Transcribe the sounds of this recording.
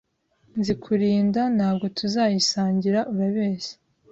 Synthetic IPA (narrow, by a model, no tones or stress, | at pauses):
nzikʰuɾiːndanhaːb̚ɡo̞tʰuzaːjisaːɲɟiɾaʔuɾaβeːse̥